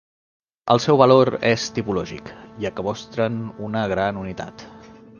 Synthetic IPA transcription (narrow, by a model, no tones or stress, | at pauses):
ə̰lˠsɛwβəloɾɛst̪ipulɔʒḭkjakəβɔst̪ɾənunəɣ̞ɾanunit̪a̰t̪